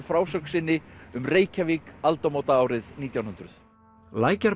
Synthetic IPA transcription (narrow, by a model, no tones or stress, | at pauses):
fɾaːwsœksɪnːɪʏmreːjcavikalt̪ɔmoːwt̪aaːwɾɪðniːt̪jawnɦʏnt̪ɾʏθ | laːjcaɾ